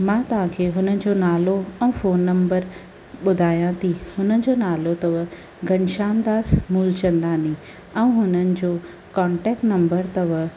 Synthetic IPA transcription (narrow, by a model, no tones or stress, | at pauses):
mãːt̪ɐʋ̤ãːkʰeːɦʊnənɪ̆d͡ʑoːnaːloɛ̃foːnːɐ̃mbəɾ | ɓʊd̪ʱaːjãt̪ʰihʊnənɪ̆d͡ʑoːnaːlot̪ɐʋə | ɡʱɐɲʃaːmd̪aːsmuːlt͡ɕɐ̃nd̪aːnĩː | ɛ̃ːɦʊnənɪ̆d͡ʑoː | kaːɳʈɛːkʈnɐ̃mbəɾt̪ɐʋə